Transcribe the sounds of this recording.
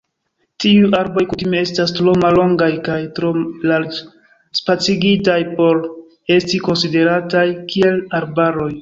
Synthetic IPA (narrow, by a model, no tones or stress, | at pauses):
tiuʔaɾbojkutimee̞stastɾo̞malːo̞ŋɡajkajtɾolal | spat͡siɡitajpo̞ɾ | e̞stiko̞nside̞ɾatajkʰie̞laɾbaɾo̞j